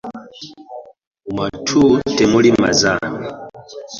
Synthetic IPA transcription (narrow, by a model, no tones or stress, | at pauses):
umatʰutɛmulima̰zani